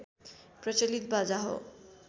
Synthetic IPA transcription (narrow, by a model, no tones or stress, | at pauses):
prʌt͡ʃelit̪̚bad͡zaɦo̰